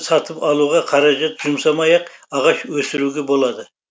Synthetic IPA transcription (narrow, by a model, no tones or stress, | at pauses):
sɑt̪əpɑlˠuʁɑqʰɑɾɑʒat̪ʒ̥ʊmsɑmɑjɑqɑʁɑʃwɵsɪɾuɡʲebo̞lˠɑd̪ə